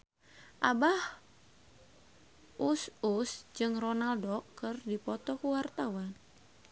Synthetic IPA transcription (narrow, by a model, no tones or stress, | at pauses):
ʔabah | ususd͡ʒɨŋrɔnaldɔkːɨrdipɔt̪ɔkuwart̪awan